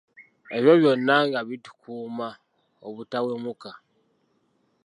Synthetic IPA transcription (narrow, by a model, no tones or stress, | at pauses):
eβjoβjonːaŋɡaβitu̥kʰuːma | oβutawemuka